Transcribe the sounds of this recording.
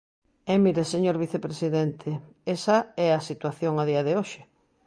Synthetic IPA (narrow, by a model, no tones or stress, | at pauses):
ɛmiɾeseɲoɾβiθepɾesiðɛnt̪ʰe | esɐɛasit̪waθjoŋaðiaðeoʃe̥